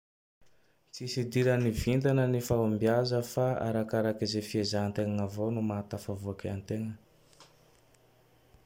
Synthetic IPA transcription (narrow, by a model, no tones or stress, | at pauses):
t͡sisid̪iɾənivind̪anənifaumbiazəfaa̰ɾakaɾakizefiezaant̪eŋaŋavonumat̪afavuakeant̪eŋə